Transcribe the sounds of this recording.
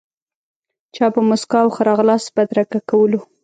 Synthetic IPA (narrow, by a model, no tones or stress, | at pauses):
t͡ʃɑpəmʊskɑwxaɾɑɣlɑsbad̪ɾakakawəlo